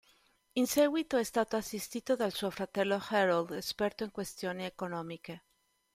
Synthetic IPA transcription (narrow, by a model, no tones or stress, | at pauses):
insɛɡwit̪oɛst̪aːt̪oasːist̪iːt̪oðalsuofɾat̪ɛlːoxɛɾold̪espɛrt̪oiŋkwest̪joːniekonɔːmike